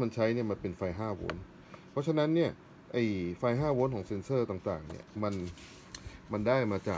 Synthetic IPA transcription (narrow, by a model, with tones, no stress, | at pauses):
ma˧nt͡ɕʰa˦˥jni˥˩ɐma˧npe˧nfa˧jɦaː˥˩wo̰ː˦˥n | pʰɔ˦˥t͡ɕʰa˧na˦˥nːi˥˩ɐ | ʔa˧˩jfa˧jɦaː˥˩woː˦˥nkʰɔː˩˦ŋse˧nsɤː˥˩t̪aː˨˩ŋt̪aː˨˩ŋnḭ˦˥˩ɐma˧n | ma˧ndaː˥˩jmaː˧t͡ɕa̰ː˨˩